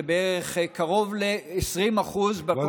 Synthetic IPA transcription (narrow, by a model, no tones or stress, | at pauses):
beeʁeχkaʁo̞vleːsʁimaχuzbe